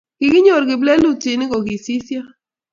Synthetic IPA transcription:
ɡ̥ɪ˨ɡɪ˦ɲo˨ɾɡɪ˨blɛ˦lu˦t͡ʃi˨nɪ˦ɡo˨ɡɪ˨si˦sja˦

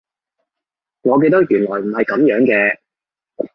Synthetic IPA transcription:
ŋɔː˨˧k̬e˧jt̪ɐ˥k̚jyː˨˩nlɔː˨˩jm̩˨˩hɐ˨jkɐ˨˥mjœː˨˥ŋkɛː˧

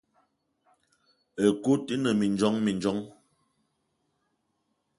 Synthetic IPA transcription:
ə˨ku˦ti˦nə˨mi˨nd͡ʒɔ˦ŋmi˨nd͡ʒɔ˨˦ŋ

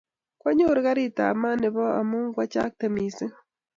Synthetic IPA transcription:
kwa˦ɲo˦ɾɣa˦ɾi˦˨ta̰˨ma˦ne˨βa˦a˨muː˦ŋɡwa˦t͡ʃa̰˦k̚te˨mi˨se˦

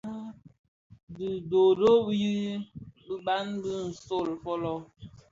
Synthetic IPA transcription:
dɨ˨do˨do˦bji˦bə˦ba˦nbɨ˦n̩˨so˦˨lfɔ˦lɔ˦

